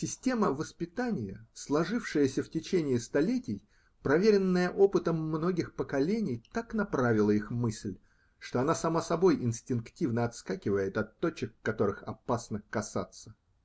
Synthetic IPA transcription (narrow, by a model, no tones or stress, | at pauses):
sʲɪsʲtʲe̞məvəspʲɪt̪anʲɪjəslˠɐʐɨfʂɨjəsʲəftʲɪt͡ɕenʲɪːst̪ɐlʲetʲɪj | pɾɐvʲeɾʲɪnːəjəʔo̞pɨt̪əmːno̞ɡʲɪxpəkɐlʲenʲɪjt̪aknɐpɾavʲɪlˠəixmɨsʲlʲ | ʂt̪oɐnasɐmasɐbo̞jʔɪnsʲtʲɪnktʲivnəɐt̪skakʲɪvəjɪt̪ɐt̪ːo̞t͡ɕɪkːɐt̪o̞ɾɨxɐ̰pasnəkɐsat̪sə